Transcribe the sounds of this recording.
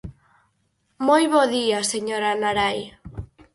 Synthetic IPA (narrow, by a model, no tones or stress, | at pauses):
mojβoðiaseɲoɾanaɾaj